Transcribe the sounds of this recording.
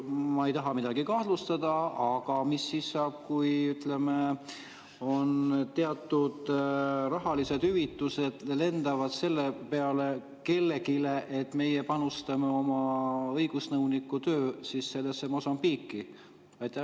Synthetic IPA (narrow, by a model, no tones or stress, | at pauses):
mɑejt̪ɑɦɑmid̪̥ɑɡ̥ikɑh̪lust̪ɑd̪̥ɑɑɡ̥ɑmisːisːɑːb̥̚kujyt̪leme | o̞nt̪eɑt̪ˑːud̪̥rɑɦɑlise̞d̪̥hyvit̪ːuse̞d̪̥le̞nd̪̥ɑvɑd̪̥se̞lːepe̞ɑle̞ | ke̞lːekile̞ʔet̪ːme̞jepɑnust̪ɑmeo̞mɑɤ̞jɡ̥usnɤwnikːˑut̪ø̞ːsisse̞lːesːemosɑmpiːkːi | ɑjt̪ːˑæh